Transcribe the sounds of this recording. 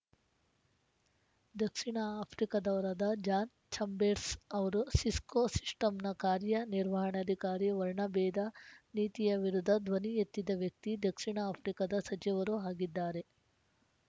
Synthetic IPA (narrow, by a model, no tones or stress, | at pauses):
d̪ɐkʂiɳɐaːpʰɾikɐd̪ɐʋɐɾɐd̪ɐd͡ʒaːn | t͡ʃʰɐmbeːɾsɐʋɐɾusiskoːsi̥ʂʈɐmnɐkaːɾjɐniɾʋɐɦɐɳɐd̪ʱikaːɾiʋɐɾɳɐbɛːd̪aniːt̪ijɐʋiɾud̪ʱːɐd̪ʋɐnijet̪ːid̪ɐʋjɐk̚t̪id̪ɐkʂiɳɐaːpʰɾikɐd̪ɐsɐt͡ʃiʋɐɾuɦaːɡid̪ːaːɾe